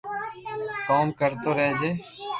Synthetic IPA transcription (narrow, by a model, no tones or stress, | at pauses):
koːmkəɾt̪oːɾɛɦed͡ʒeː